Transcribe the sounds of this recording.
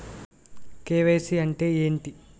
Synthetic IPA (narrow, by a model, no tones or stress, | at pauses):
keːʋeːsiɐɳʈe̞ːeːɳʈi